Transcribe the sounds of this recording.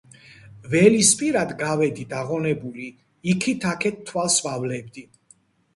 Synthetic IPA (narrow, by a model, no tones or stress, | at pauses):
vɛlispʼiɾad̪ɡavɛd̪id̪aʁɔnɛbuli | ikʰit̪ʰakʰɛt̪̚ʰːwalsvavlɛb̚d̪i